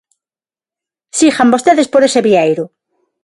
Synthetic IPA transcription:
sixambost̪eðespoɾeseβiejɾʊ

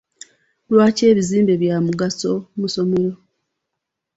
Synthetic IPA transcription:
lwaːce̞ːβiziːmbe̞βjamuɡaso̞muso̞me̞ɾo̞

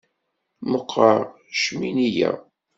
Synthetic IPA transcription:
məqʰːɑɾ | ʃminijæ̰

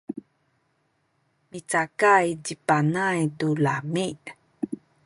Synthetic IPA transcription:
mit͡sakajdipanajtulamiʔ

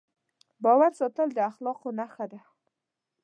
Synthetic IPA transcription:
bɑwaɾsɑt̪əld̪əaxlɑqonaxəd̪a

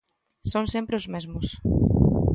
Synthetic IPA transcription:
sõnsempɾeʊzmezmʊs

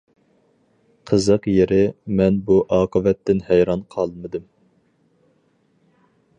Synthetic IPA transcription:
qʰəzəqjeɾɪmɛnbuʔɑːqʰəvɛt̪ːɪnhɛjɾɑnqʰɑlˠmɨd̪ɨm

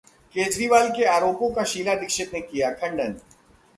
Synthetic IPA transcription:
keːd͡ʒɾiʋaːlkeaːɾoːpõkaʃiːlad̪ɪkʃɪt̪nekijakʰɐ̃ɳɖən

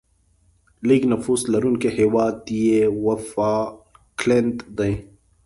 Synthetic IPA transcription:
liːɡnɐfuːslɐɾunkeheːwaːt̪ijewɐfaːklent̪d̪ɐ̃j̃

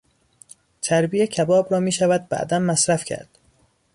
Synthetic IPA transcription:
t̪ʰæɾbiːecʰæbɒːbɾɒːmiːʃævæd̪̚bæ̰d̪æmːæsɾæfcʲʰæ̰ɾd̪̥

